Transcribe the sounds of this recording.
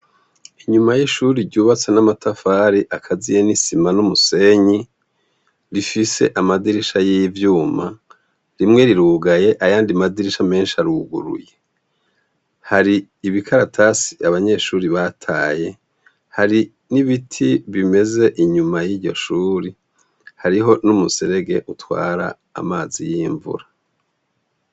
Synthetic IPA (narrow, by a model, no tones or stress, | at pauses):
iɲumajiʃuːɾiɾɟuːβat͡se̞namatʰafaːɾiʔakʰazijenisimanumuse̞ɲi | ɾifise̞ʔamadiɾiʃajijvjuːma̰ | ɾimŋe̞ɾiɾuːɡaje̞ʔajaːndimadiɾiʃame̞ːnʃiaɾuːɡṵɾṵje̞ | haɾiː | βikʰaɾatʰasi̥aβaɲe̞ʃuːɾiβatʰaːje̞ | haɾi | niβitʰiβime̞ze̞ʔiɲumajiːɾɟo̞̰ʃuːɾi | haɾiɦo̞numuseɾe̞ɡe̞ʔutwa̰ːɾa̰ːmaːzijiɱvṵɾa